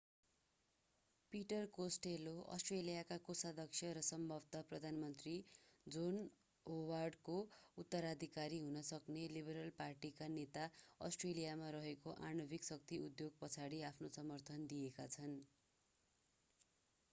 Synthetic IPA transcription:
piʈʌrkosʈeloʔʌ̰sʈrelijakakosad̪ʱʌksʰjʌɾʌsʌmbʱʌbt̪ʌprʌd̪ʱanmʌnt̪rid͡zon | owarɖkout̪ːʌɾad̪ʱikaɾiɦunʌsʌknelibʌɾʌlparʈikanet̪aʌ̰sʈrelijamaɾʌɦekoʔanʌbiksʌk̚t̪iud̪joɡ̚pʌt͡sʰaɽiapʰnosʌmʌrt̪ʰʌnd̪ijekat͡sʰʌn

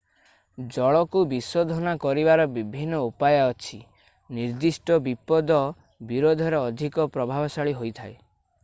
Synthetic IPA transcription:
d͡ʒɔɭɔkubisod̪ʱɔnakɔɾibaɾɔbibʱinːɔupajɔːt͡ʃʰi | niɾd̪isʈɔbipɔd̪ɔ | biɾod̪ʱɔɾeɔd̪ʱikɔpɾɔbʱabɔsaɭiɦojt̪ʰae

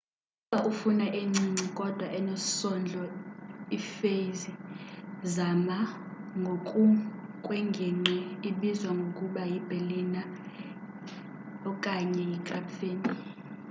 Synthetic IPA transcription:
uɓaʔufunaʔeŋ͡ǀiŋ͡ǀikʼɔd̥ʱwaʔɛnosɔnd͡ɮʱɔifezi | zama | ŋɡʱokʼukʼwɛŋɡʱɛŋ͡ǃɛiɓizwaŋɡʱokʼuɓajib̥ʱelina | ɔkʼaɲɛjikʼapfeːni

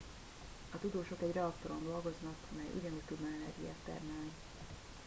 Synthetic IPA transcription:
ɒt̪ud̪oːʃo̞kɛɟrɛɒkt̪o̞ɾond̪o̞lɡo̞znɒkɒmɛjʔṵɟɒnuːc̚ʲt̪ud̪nɒɛnɛ̰rɡḭja̰ːt̪ːɛ̰rmɛlni

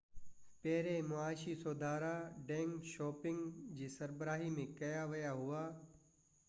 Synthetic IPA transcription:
pɛːɾemʊaːʃisoːd̪ʱaːɾaɖɛ̃ːŋɡʃɔːpɪ̃ŋɡd͡ʑiːsɐɾbɾaːɦimẽkɐjaʋɐjaɦʊaː

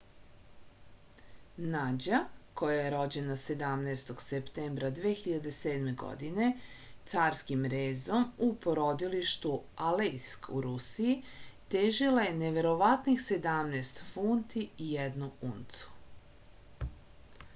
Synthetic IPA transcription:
nad͡ʑako̞jajeɾo̞d͡ʑe̞nase̞d̪amneːst̪o̞ɡsept̪eːmbɾad̪ʋeːxiʎad̪e̞se̞ːd̪me̞ɡo̰d̪ine̞ | t̪saːɾskimɾeːzo̞mupoɾo̞d̪iliʃt̪ualejskṵɾusijit̪eːʒilaje̞neʋe̞ɾo̞ʋat̪nixse̞d̪amnest̪funt̪iːjɛd̪nuṵnt̪su̥

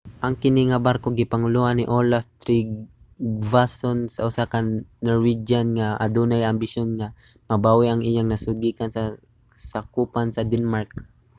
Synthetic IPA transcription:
ʔɐŋkɪniŋɐbaɾkoɡɪpɐŋʊluhanːɪʔolaft̪ɾiɡ | vasonsɐʔʊsakɐnːoɹwid͡ʒanŋaʔa̰d̪unajɐmbɪsjonŋa | mɐbaːwɪʔɐŋʔɪjaŋnɐsʊɡiːkansɐ | sakuːpansɐd̪ɛnmaɹk̚

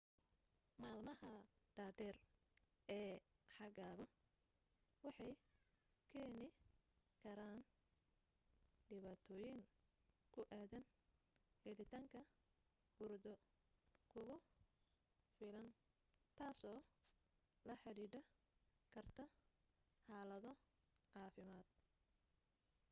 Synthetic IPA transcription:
maːlmɐhɐɖ̥aːd̪ɛːr | ɛːħɑɣaːɣɔ | wɑħɑj | kʰɛːnɪ | kʰɐɾaːn | ɖɪβaːt̪ʰɔːjɪŋ | kʰʊʔaːðɐn | hɛlɪt̪ʰɐŋkʰɐ | hʊrd̪ɔ | kʰʊɣʊ | fɪlɐn | t̪ʰaːsɔː | lɐħɑɾiːɖɐ | kʰɐrt̪ʰɐ | ħɑːlɐðɔ | ʕɑːfɪmaːd̪̥̚

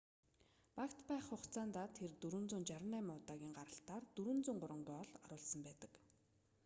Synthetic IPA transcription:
pakt̪pæːχχʊχt͡sʰaːnt̪aːt̪ʰert̪uɾɵ̆nt͡suːnt͡ɕaɾə̆næːmʊːt̪aːɣʲiːŋɢaɾə̆ɬt̪aːrt̪uɾɵ̆nt͡suːŋɢʊɾə̆ŋɡiːɔɮaɾʊːɮsə̆mpæːt̪ə̆k

